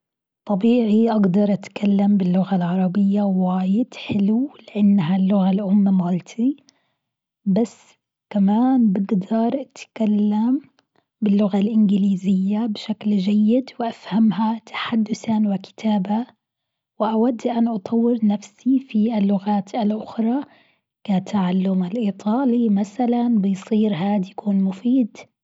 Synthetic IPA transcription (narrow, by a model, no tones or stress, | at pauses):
t̪ˤːɑbiːʕiʔaɡd̪ɑɾˤʔat̪kʰalːambɪlːʊɣalʕɑɾˤɑbɪjːawaːjɪd̪̥ħɪlulɪʔanːɦalːʊɣalʔʊmːamalt̪ʰi | basː | kamaːnbɪɡd̪ɑɾˤʔat̪kalːam | bɪlːʊɣalʔɪnɡɪliːzɪjːabɪʃakld͡ʒajːɪd̪wɪʔafhamɦat̪ʰḁħad̪ːʊsanwakɪ̥t̪ʰaːba | wɪʔawad̪ːʔanʔɑt̪ˤʰɑwːɪɾnafsifiʔalːʊɣaːt̪ʰalʔʊxɾˤɑ | kat̪ʰaʕalːʊmalʔiːt̪ˤʰɑːlimasalanbɪjsˤiːɾɦaːd̪jakuːnmʊfiːd̪